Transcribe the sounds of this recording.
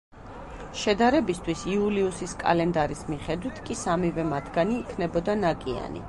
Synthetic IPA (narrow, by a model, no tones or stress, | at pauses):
ʃɛd̪aɾɛbist̪ʰwisiuliusiskʼa̰lɛnd̪aɾismiχɛd̪wit̪ʰkʼisamivɛmat̪ʰɡ̥aniːkʰnɛbɔd̪anakʼia̰nḭ